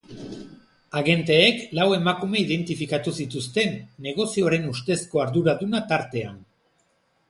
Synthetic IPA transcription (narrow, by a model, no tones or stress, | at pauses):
aɣe̞nt̪eːklawe̞makume̞iðe̞nt̪ifikat̪usit̪ust̪e̞nːe̞ɣ̞o̞sio̞ɾe̞nust̪e̞sko̞aɾðuɾaðunat̪aɾt̪e̞a̰n